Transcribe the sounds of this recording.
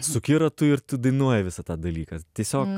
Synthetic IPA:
sʊkʲɪɾɐt̪ʊɪɾt̪ʊd̪ɐɪnuɔjɛʋʲɪsɐt̪ɑːd̪ɐlʲiːkɐt̪ʲiɛsʲoːk

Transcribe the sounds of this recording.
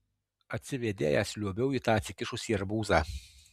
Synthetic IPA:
ɐt̪ʲsʲɪʋʲed̪ʲḛːjɛsʲlʲuɔbʲɛʊit̪ɑːɐt̪ʲsʲɪkʲɪʃʊsʲiːɐɾbuːzɑː

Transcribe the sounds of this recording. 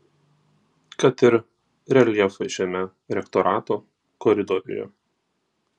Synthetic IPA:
kɐt̪ɪɾ | ɾʲɛlʲiɛfɐɪʃʲɛmʲɛ | ɾʲɛkt̪ɔɾʔɑːt̪oː | kɔɾʲɪd̪ɔɾʲɪ̰jɛ̰

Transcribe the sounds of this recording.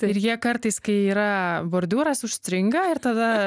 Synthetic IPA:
t̪ɪɾjiɛkɐɾt̪ɐɪskɐɪiːɾɐboːɾʲd̪ʲuːɾɐsʊʃsʲt̪ʲɾʲɪŋɡɐɪɾt̪ɐd̪ɐ

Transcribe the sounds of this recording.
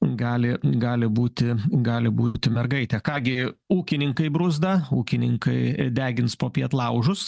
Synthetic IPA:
ɡɑːlʲɪɡɑːlʲɪbuːt̪ʲɪɡɑːlʲɪbuːt̪ʲɪmʲɛrɡɐɪt̪ʲɛkɑːɡʲɪuːkʲɪnʲɪŋkɐɪbɾʊzd̪ɐuːkʲɪnʲɪŋkɐɪd̪ʲæːɡʲɪnspoːpʲiɛt̪lˠɐʊʒʊs

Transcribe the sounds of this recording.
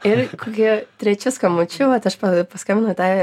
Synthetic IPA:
ɪɾkoːkʲit̪ʲɾʲɛt͡ʃʲʊskɐmot͡ʃʲʊʋɐt̪ɐʃpɐpɐskɐ̃mʲɪnʊt̪ɐɪ

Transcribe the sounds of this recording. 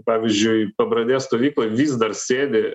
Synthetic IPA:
pɑːʋʲizʲd͡ʒʲʊɪpɐbɾɐd̪ʲeːst̪oːʋʲiːklˠɐʋʲiːsd̪ɐrsʲeːd̪ʲe

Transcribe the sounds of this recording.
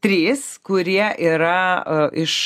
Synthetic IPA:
t̪ʲɾʲiːskʊɾʲiɛʔiːɾɐɪʃ

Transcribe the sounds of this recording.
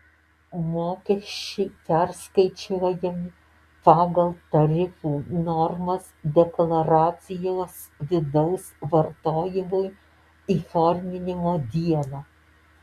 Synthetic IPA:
moːkʲɛʃʲt͡ʃʲɛɪpʲæɾskɐɪt͡ʃʲuɔjɛmʲɪ | pɑːɡɐlˠt̪ɐɾʲɪfuːnɔɾmɐsd̪ʲɛklˠɐɾɑːt̪sʲɪjoːs | ʋʲɪd̪ɐʊsʋɐɾt̪oːjɪmʊj | iːfoɾʲmʲɪnʲɪmoːd̪ʲiɛlˠɑː

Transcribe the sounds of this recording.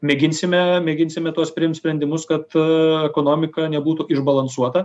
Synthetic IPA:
mʲɛɡʲɪnʲsʲɪmʲɛmʲɛːɡʲɪnʲsʲɪmʲɛt̪uɔsʲpʲɾʲɪjɪmt̪sʲpʲɾʲɛnʲd̪ʲɪmʊskɐt̪ɛkoːnoːmʲɪkɐnʲɛbuːt̪ʊʔɪʒbɐlˠɐnsuɔt̪ɐ

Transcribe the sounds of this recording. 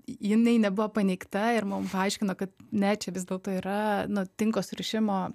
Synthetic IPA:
jɪnɛɪnʲɛbʊʋoːpɐnʲɛɪkt̪ɐɪɾmʊmpɐɐɪʃʲkʲɪnoːkɐt̪nʲɛt͡ʃʲɛʋʲɪzd̪ʲeːlˠt̪oːiːɾɐnʊt̪ʲɪŋkoːsɾʲɪʃʲɪmoː

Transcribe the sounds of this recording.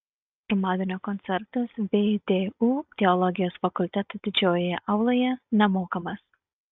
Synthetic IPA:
ɾʊmɑːd̪ʲɪnʲoːkɔnʲt̪sʲɛɾt̪ɐsʋʲed̪ʲeuːt̪ʲɛɔlˠɔɡʲɪjoːsfɐkʊlʲt̪ʲɛt̪uːd̪ʲɪd͡ʒʲoːjojɛʔɐʊlˠojɛnʲɛmoːkɐmɐs

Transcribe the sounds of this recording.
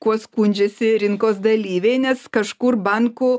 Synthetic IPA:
kuɔskunʲd͡ʒʲɛsʲɪɾʲɪŋkoːsd̪ɐlʲiːʋʲɛɪnʲɛskɐʃkʊɾbɑŋkʊ

